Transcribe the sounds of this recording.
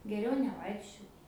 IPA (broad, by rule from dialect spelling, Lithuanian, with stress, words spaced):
ˈɡʲæːrʲɛʊ nʲɛˈʋɐɪkʃʲt͡ʃʲoːt